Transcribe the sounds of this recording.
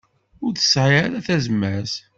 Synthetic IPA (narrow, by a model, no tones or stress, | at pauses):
ʊɾθə̥sːʕiaɾæθæzmːæs